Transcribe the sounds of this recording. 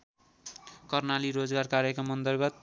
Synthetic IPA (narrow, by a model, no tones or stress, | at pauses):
kʌrnaliɾod͡zɡarkaɾjʌkʌmʌnd̪ʌrɡʌt̪̚